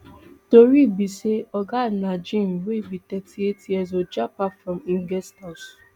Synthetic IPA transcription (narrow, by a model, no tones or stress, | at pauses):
toɾibiseɔɡanad͡ʒĩm̩webitɛtʰietiɛzɔd͡ʒapafɾɔ̃mĩɡɛstɔs